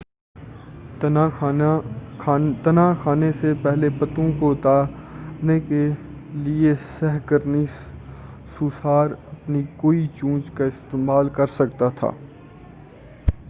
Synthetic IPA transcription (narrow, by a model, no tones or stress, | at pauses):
t̪ɐnaːxaːnesepɛɦlepɐt̪õkoʊt̪aːneke | liesɛɦkəɾni | susaːɾɐpnikoːit͡ʃũːd͡ʒkaɪst̪eːmaːlkɐɾsɐk̚t̪at̪ʰa̰ː